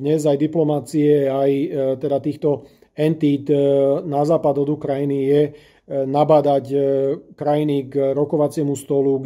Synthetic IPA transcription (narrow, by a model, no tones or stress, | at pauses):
ɲɛzajd̪iplɔmat͡siɛajt̪ɛd̪at̪iːxt̪ɔ | ɛnt̪it̪nazaːpad̪ɔd̪ukɾajinijɛ | nabaːd̪ackɾajinikɾɔkɔʋat͡sɪɛmust̪ɔluɡ